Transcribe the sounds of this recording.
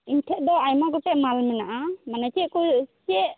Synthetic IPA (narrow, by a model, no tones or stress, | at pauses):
inʈʰɛʔ̚d̪ɔajmaɡɔʈɛʔmalmɛnaʔamanat͡ʃɛkut͡ʃɛʔ